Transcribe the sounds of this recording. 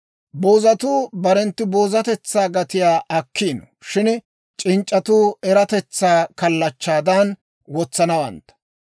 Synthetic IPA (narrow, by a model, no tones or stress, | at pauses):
boːzɐt̪uːbɐɾɛnt̪ːɪbo̞ːzɐt̪ɛt͡sːaːɡɐt̪ɪjaːʔɐkːiːnɔ | ʃɪn | t͡ʃʼɪnt͡ʃʼːɐt̪uːɛɾɐt̪ɛt͡sːaːkɐlːɐt͡ʃːaːd̪ɐn | wɔt͡sːɐnɐwɐ̰nt̪ːɐ̥